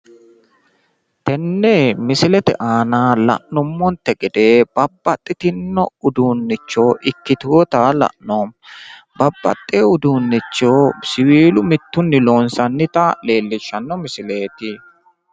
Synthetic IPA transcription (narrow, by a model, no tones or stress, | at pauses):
t̪ɛnːɛmɪsɪlɛt̪ɛ̰ʔaːnaːlɐ̰ʔnʊmːɔnt̪ːɛɡɛd̪e̞ːb̥ɐbːɐt̪ʼːɪt̪ɪnːɔ̰ʊd̪uːnːɪt͡ʃːoːʔɪkːɪt̪ɔt̪aːlɐ̰ʔnoːmbɐbːɐ̰t̪ʼːeʊd̪uːnːɪt͡ʃːoːsɪwiːlʊmɪt̪ːʊnːɪloːnsɐnːɪt̪ale̞ːlːɪʃːɐnːɔmɪsɪle̞ːt̪ɪ